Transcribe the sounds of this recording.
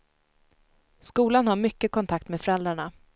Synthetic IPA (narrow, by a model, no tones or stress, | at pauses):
skuːlanhaɾmʏkːəkɔnt̪ʰak̚t̪meːd̪fœɾɛld̪ɾaɳa